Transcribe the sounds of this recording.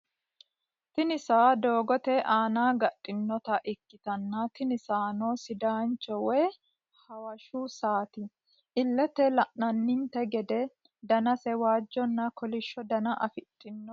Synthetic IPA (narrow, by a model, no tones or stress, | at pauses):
t̪ɪnɪsaːd̪oːɡɔt̪ɛʔaːnaːɡɐtʼːɪnːɔt̪ɐʔɪkːɪt̪ɐnːɐt̪ɪnɪsaːnoːsɪd̪aːnt͡ʃːɔwɛj | hɐwɐʃuːsaːt̪ɪ | ʔɪlːɛt̪ɛlɐʔnɐnːɪnt̪ɛɡɛd̪ɛ | d̪ɐnɐsɛwaːd͡ʒːɔnːɐkɔlɪʃːɔd̪ɐnɐʔɐfɪt̪ʼːɪnːɔ